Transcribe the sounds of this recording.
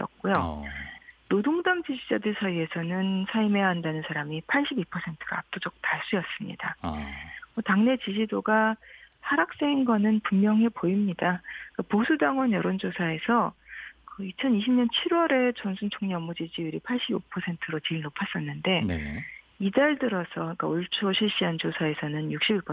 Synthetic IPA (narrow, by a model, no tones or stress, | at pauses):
ʌ̰k̚k͈ojo | nodoŋdʌmd͡ʑid͡ʑid͡ʑadɯɭsʰajue̞sʰʌnɯnsʰaime̞jaɦandanɯnsʰaɾamipʰaɭɕ͈ʰibipʰʌsʰe̞ntʰɯ̥ɡa̰ap̚t͈od͡ʑʌk̚taɭs͈ujʌs͈ɯmɲḭda̰ | mʌtaŋne̞t͡ɕid͡ʑidoɡasʰaɾak̚s͈eŋinɡʌnɯnpummjʌŋɦe̞poimɲidak͈aposʰudaŋwʌnjʌɾond͡ʑosʰae̞sʰʌkɯit͡ɕʰʌniɕʰimɲʌnt͡ɕʰiɾwʌɾe̞t͡ɕʌnsʰunt͡ɕʰoŋɲʌmːud͡ʑid͡ʑiuɾipʰaɭɕ͈ibo̰pʰʌsʰe̞ntʰɯɾot͡ɕiɭnopʰas͈ʌnːɯnde̞̰ | idaɭdɯɾʌsʰʌk͈auɭt͡ɕʰoɕʰiɭɕ͈iɦant͡ɕosʰae̞sʰʌnɯnjuk̚ɕ͈ibiɭpʰʌ